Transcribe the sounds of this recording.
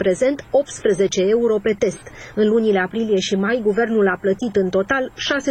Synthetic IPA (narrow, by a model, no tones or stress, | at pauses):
pɾe̞ze̞nt̪o̞p̚t̪spɾeze̞t͡ʃe̞e̞uɾo̞pe̞t̪e̞st̪ɨnlunileapɾilije̞ʃimajɡuve̞rnulaplət̪it̪ɨnt̪o̞t̪alʃase